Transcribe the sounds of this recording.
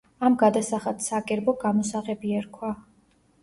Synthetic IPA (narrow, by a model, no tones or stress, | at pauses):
amɡad̪asaχat̪sakʼɛɾbɔɡamɔsaʁɛbiɛɾkʰwa